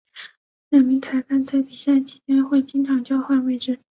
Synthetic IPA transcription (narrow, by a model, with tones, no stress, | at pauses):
la˨˩nmi˧˥ŋt͡sʰa˧˥ɪpʰa˥nt͡sʰa˥ɪpi˨˩ɕjɛ˥˩nt͡ɕʰi̥˧˥t͡ɕjɛ˥nxwe˥˩ɪt͡ɕi˥ŋʈ͡ʂʰɑ˨˩ŋt͡ɕjɑ˥ʊxwa˥˧nwe˥˧ɪʈ͡ʂɻ̩˥